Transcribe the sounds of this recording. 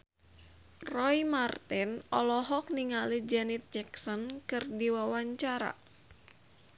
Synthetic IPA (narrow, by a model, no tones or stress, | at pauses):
rɔimart̪ɪnɔlɔɦɔk̚niŋalid͡ʒɛnit̪̚d͡ʒɛksɔnkɨrdiwawaɲt͡ʃaɾa̰